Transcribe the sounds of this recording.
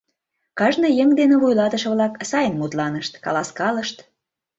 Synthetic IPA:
kɑʒnɤ̆jəŋd̪enĕβujlɑt̪ə̆ʃɤ̆βlɑksɑjənmut̪lɑnəʃt̪kɑ̰lɑskɑləʃt̪

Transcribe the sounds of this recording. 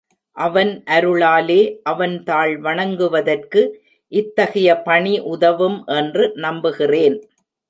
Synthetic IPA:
ʔɐʋɐnʔɐɾɯɭaːleːʔɐʋɐnt̪aːɭʋɐɳɐŋɡɯʋɐðɐrkɯ | ʔɪt̪ːɐɣɐjɐpɐɳiʔʊðɐʋɯmʔɛndrɯnɐmbɯɣɪreːn

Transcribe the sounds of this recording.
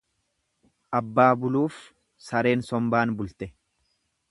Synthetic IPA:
ʔɐbːaːbʊluːf | sɐɾe̞ːnsɔmbaːnbʊlt̪ɛ

